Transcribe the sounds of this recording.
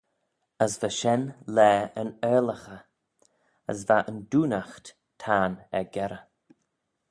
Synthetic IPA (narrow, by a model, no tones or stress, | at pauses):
əsvəʃɛnlɛːənɛːləxə | ə̰svaʔənduːnaxt | tʰaːnɛɡɛɾə